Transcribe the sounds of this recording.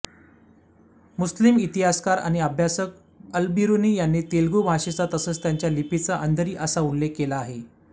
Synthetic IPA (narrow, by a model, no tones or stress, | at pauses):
muslimit̪iɦaskaɾa̰ɽ̃iəbʱjasək̚ | əlbiɾuniːjanːiːt̪elɡubʱaɕet͡sat̪əsəːt͡st̪jaɲt͡ɕjalipit͡səʔənd̪ʱəɾiːʔəsaullekːelaːɦe